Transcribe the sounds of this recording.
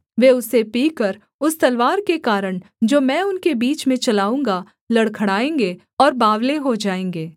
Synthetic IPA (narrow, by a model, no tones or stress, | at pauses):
ʋeːʊsepiːkəɾ | ʊst̪ɐlʋaːɾkekaːɾəɽ̃ | d͡ʒoːmɛ̃ːʊnkebiːt͡ʃmẽt͡ʃɐlaːũːŋɡa | lɐɽkʰɐɽaːẽːŋɡe | ɔːɾbaːʋleɦod͡ʒaːẽːŋɡeː